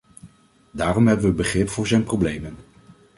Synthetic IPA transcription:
daːrɔmɦɛbənʋəbəχrɪpfʊːɹzɛjnprowblejmən

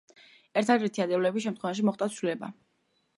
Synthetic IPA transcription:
ɛɾt̪ʰad̪ɛɾt̪ʰiad̪ɛvlɛbisʃ̬ɛmt̪χwɛvaʃ̬imɔχt̪ʼat̪sʰlilɛba̰

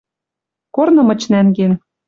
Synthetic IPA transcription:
kornɤ̆mɤ̆t͡ɕnæŋɡen

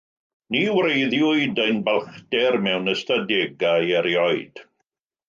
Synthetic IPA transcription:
niwɾejðjʊɨdəjnbalˠχdɛrmɛwnəstadɛɡajɛɾjɔɨd̥

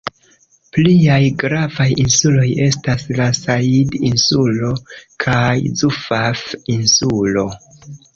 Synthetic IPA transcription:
pliajɡɾavajinsulo̞je̞staslasaidinsulo̞kʰajzufafinsulo̞

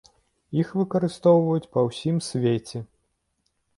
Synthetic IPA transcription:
ixvɨkɐɾɨst̪ɔwvɐjut͡sʲpɐwsʲimsʲvʲet͡sʲɛ

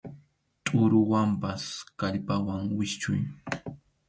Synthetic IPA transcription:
t̪ʼʊɾʊwampaskaʎpawaŋwɪʃt͡ʃʊ̰j

